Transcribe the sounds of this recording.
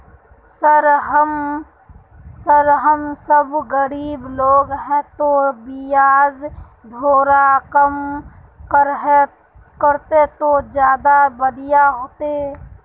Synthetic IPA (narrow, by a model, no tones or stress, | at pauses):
səɾɦəm | səɾɦəmsəbɣəɾiːbloːɡɦɛ̃t̪obɪjaːz | d̪ʱoːɾakəm | kəɾɦɛ | kəɾt̪et̪od͡ʒjaːd̪abəɽɪjaɦoːt̪e